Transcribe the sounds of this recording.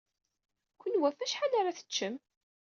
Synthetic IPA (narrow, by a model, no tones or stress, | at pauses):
kʷːənwæfæʃħalaɾaθə̥t͡ʃːəm